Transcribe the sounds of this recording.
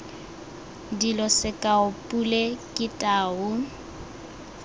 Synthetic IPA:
dilɔsɪkʼaʊpʼulekʼɪtʼaːʊ

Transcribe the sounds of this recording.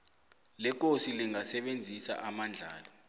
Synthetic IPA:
lɛk̬ʼosiliŋasɛɓend͡zʱisa̰ʔamand͡ɮʱaːlɔ

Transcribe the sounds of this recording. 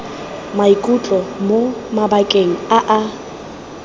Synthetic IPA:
maikʼut͡ɬʼɔmomabakʼeŋ̩aʔa

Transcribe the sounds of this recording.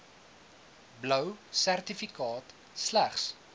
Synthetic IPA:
blœwsærtifikɑːt | slæχs

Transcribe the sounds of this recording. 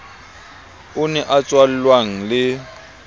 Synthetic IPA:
ʊnɛʔat͡sʼwal̩lwaŋ̩lɪ

